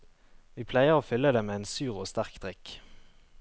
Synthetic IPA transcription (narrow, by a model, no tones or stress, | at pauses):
ʋiːpʰlæɪəʁoːfʏlːəd̪eːmeːeɪːnsʉːʁoːst̪æʁkd̪ʁɪk